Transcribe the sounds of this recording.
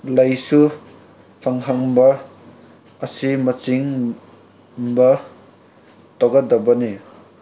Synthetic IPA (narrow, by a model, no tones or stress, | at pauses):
lajsu | pʰaŋɦaŋbɐː | simɐt͡ʃiŋ | bʌ | t̪ɔɡadɐbɐne